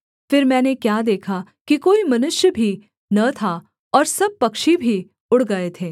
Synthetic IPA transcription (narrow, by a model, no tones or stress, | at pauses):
fɪɾmɛ̃ːnekjaːd̪eːkʰa | kikoːimɐnʊʃjəbʱi | nɐt̪ʰa | ɔːɾsɐb̚pɐkʃibʱi | ʊɽɡɐet̪ʰeː